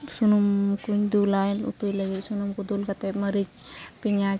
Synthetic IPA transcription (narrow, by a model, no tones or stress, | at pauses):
sunumkuɲd̪ulalṵt̪ujləɡisunumkud̪ulkɐt̪emɐɾik̚piɲa